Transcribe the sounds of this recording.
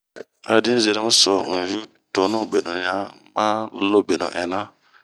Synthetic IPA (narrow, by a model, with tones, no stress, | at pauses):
a̰˨di˦ze˨ɾe˦mu˦sɔ˨n̩˨ɾu˦ | to˨nu˦˨be˨no˨ɲa˦ | ma˦lo˦be˨no̰˨ʔɛ˨na˦